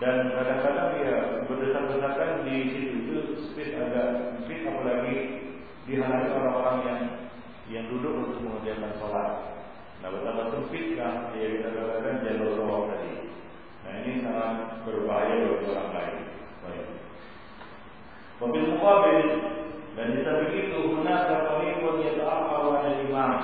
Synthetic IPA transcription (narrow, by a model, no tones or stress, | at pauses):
dankadaŋkadaŋjabərdəsarbəsarkandisit̪uit̪usəmpɪt̪aɡaʔsəmpɪt̪apalaɡi | diɦaɾat̪oɾaŋoɾaŋjaŋ | jaŋdudʊkunt̪ʊk̚məŋərd͡ʒiakansolat̪̚ | na̰hbət̪apat̪̚səmpɪt̪̚lahajabik̪adaŋkadaŋd͡ʒalabəlawaŋt̪adi | na̰inisaŋanbərbaɦajababioɾa̰ŋla̰ɪ̰n | baɪk̚ | pabɪlmuabɪldanbit̪abiɡit̪umunasapalipət̪iat̪aapalaaɲadiŋlam